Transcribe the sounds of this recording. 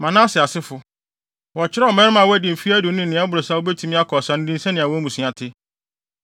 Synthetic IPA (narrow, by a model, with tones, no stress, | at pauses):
mã˨nãː˦sɪ˨a˨sɪ˦fʊ˨ | wɔ˨t͡ɕʰɪ˦ɾɛ˦ɔ˨mɛ̃˦ɾɪ˦mã˨wæ˦dɪ˨fi˦æ˦dʊ˨˦nʊ̃˦n˨ɪ̃˨˦a˦bʊ˨ɾo˨sa˦o˦bɛ˦tʰĩ˨˦mɪ̃˦a˦kʰɔ˨sã˨n˦dĩ˦n˦sɛ̃˦nɪ̃˨a˨wɔ˦mũ˨sĩ˨a˨tʰɪ˦